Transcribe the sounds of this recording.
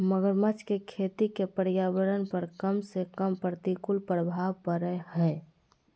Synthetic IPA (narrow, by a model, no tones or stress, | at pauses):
məɡəɾmət͡ʃkekʰeːt̪ikepəɾɪjaːʋəɾənpəɾkəmsekəmpɾət̪ikʊlpɾəbʱaːʋpəɾəhɛː